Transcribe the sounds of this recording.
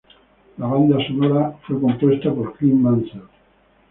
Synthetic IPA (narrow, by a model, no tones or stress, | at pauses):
laβand̪asonoɾafweko̞mpwe̞st̪apoɾklimːansa